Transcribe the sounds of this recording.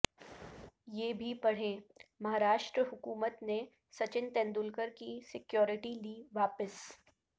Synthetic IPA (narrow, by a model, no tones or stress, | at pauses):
jeːbʱipɐɽ̤ẽːmɐɦaːɾaːʃʈɾəɦʊkuːmət̪ne | sɐt͡ʃɪnt̪ɛ̃ːnd̪ʊlkəɾkisɪkjɔːɾɪʈiliːʋaːpəs